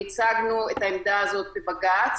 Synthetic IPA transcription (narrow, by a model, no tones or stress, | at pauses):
it͡saɡnuet̪aemd̪aːzo̞t̪̚bebaɡat͡s